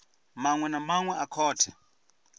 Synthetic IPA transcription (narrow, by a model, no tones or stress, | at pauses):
maŋwɛnamaŋwɛʔakʰɔːtʰɛ̥